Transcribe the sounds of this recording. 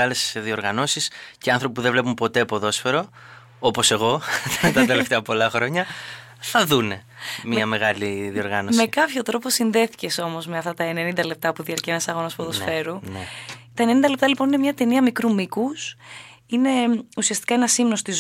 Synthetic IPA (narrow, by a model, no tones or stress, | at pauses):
ɐle̞sðio̞ɾɣɐno̞sisceɐnθɾo̞pipuðevle̞pumpo̞t̪e̞poðo̞sfe̞ɾo̞ | opo̞se̞ɣo̞t̪ɐt̪eleft̪eɐpo̞lɐxɾo̞ɲɐ | θɐðune̞ | miɐme̞ɣɐliðio̞ɾɣɐno̞sme̞kɐpço̞t̪ɾo̞po̞sinðe̞θi̥ce̞so̞mo̞zme̞ɐft̪ɐt̪ɐenenind̪ɐlep̚t̪ɐpuðiɐɾceenɐsɐɣo̞nospoðosfe̞ɾunet̪ɐe̞nenind̪ɐle̞pt̪ɐlipo̞nine̞mɲɐt̪e̞niɐmikɾumikus | ine̞usiɐst̪i̥kɐe̞nɐsimnost̪iz